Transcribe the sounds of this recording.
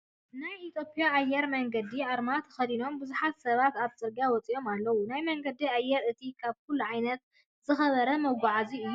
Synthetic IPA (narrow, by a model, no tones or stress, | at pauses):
najit̪ʰjo̞pʰʼijaːjːɛɾmɐŋɡɐd̪iʕaɾmat̪ʰɐ̥xɐd̪ino̞mbɨzuħat̪sɐβat̪aβsʼɨɾɡawɔt͡sʼiʔo̞malːɐwunajmɐŋɡɐd̪iajːɛɾɨt̪ʰikʰaβkʰʊlːuʕajnɐt̪̚ | z̥ɨxɐβɐɾɐmɐɡʷaʕaziɨjːu